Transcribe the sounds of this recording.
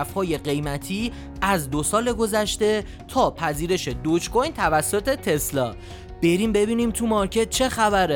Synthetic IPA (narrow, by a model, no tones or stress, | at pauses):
fhɒːje̞ɢe̞jmæt̪ʰiː | ʔæzd̪o̞sɒːle̞ɡo̞zæʃt̪e̞ | t̪ʰɒːpʰæziːɾe̞ʃe̞d̪ot͡ʃkʰojnt̪ʰævæsːot̪ʰet̪ʰe̞slɒː | b̥e̞ɾimbe̞biːnimt̪ʰumɒɾcʰe̞t̪̚t͡ʃʰe̞xæbæɾe